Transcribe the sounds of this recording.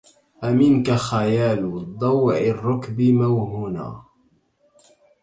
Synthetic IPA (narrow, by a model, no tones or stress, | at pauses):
ʔamɪnkaxajaːlʊd̪ˤɑwʕɪrːʊkbɪmawhuːna̰ː